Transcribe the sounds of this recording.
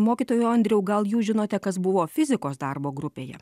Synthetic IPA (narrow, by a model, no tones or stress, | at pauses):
moːkʲit̪oːjuɐnʲd̪ʲɾʲɛʊɡɐlˠjuːʒʲɪnoːt̪ʲɛkɐsbʊʋoːfʲɪzʲɪkoːsd̪ɐɾboːɡɾʊpʲeːjɛ̰